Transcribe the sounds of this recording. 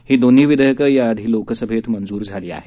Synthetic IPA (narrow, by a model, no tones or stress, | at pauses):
hiːd̪on̤iːʋid̪əjəkəjaːd̪ʱiːlokəsəbʱet̪mənd͡zuːɾd͡zʱaliːa̰ɦe